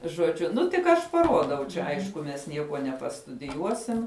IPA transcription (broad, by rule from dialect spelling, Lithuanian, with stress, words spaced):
ʒoːˈd͡ʒʲʊ ˈnʊ tʲɪk ˈɐʃ pɐˈruɔdɐʊ t͡ʃʲɛ ˈɐɪʃkʊ mʲɛs ˈnʲiɛkuɔ nʲɛpɐstʊdʲɪˈjuɔsʲɪm